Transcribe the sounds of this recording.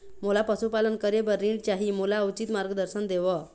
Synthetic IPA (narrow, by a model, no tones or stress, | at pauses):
mulapəsupalənkəɾebəɾĩɽt͡ɕaɦimulaəwt͡ɕit̪maɾɡəd̪əɾsənd̪eʋɔ